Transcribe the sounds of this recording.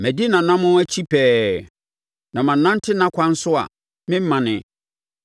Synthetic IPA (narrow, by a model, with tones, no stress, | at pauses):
mæ˨di˦nã˨nã˦mʊ̃˦æ˦t͡ɕʰi˦pʰɛː˦ | nã˨mã˨nã˦n˦tʰɪ˦nã˦kʷʰã˦n̩˦sʊ˦a̰˨ | mɪ̃˦m˦mã˨nɪ̃˨